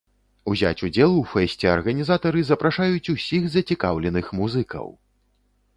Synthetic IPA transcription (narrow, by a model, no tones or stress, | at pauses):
uzʲa̰t͡sʲud͡zʲɛlˠufɛsʲt͡sʲɛɐ̰rɣɐnʲizat̪ɐɾɨzɐpɾaʂajut͡sʲusʲixzɐt͡sʲikawlʲɛnɨxmuzɨkɐ̰w